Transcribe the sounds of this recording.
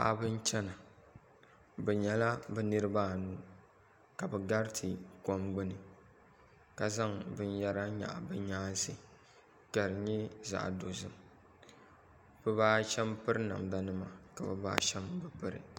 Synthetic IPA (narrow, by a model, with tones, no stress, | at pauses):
ba̰˨ʔbɨ˦n˦t͡ʃɛ˦na˨ | bɛ˨ɲɛ˨la˦bɛ˦nɨ˦ɾɨ˦baː˦˨nuː˦ | ka˨bɛ˨ɡa˦ɾtʰɨ˨kɔ˦mɡ͡bɨ˦nɨ˨ | ka˨za˦ŋbɨ˦n˦ja˦ɾa˦ɲa̰˨ʔa̰˨bɨ˨ɲaː˦sɨ˨ | ka˨ɾɲɛ˦za̰˨ʔdo˨zɨ˦m | b̥ɨ˦baː˦ʃɛ˦mpɨ˦ɾɨ˦na̰˨mda˦nɨ˦ma˨ka˨bɛ̰˨ba̰ː˦ʃɛ˦mbɨ˨pɨ˦ɾɨ̰˨